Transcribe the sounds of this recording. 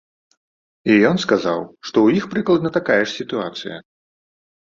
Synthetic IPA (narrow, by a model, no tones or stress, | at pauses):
ijɔnskaza̰wʂt̪ɔwjixpɾɨklˠɐd̪nɐt̪akajɛʂsʲit̪uat̪sɨ̰jɐ̰